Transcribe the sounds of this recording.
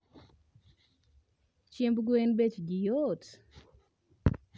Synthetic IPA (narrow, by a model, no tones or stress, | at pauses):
t͡ʃembɡwenbet͡ʃɡɪjot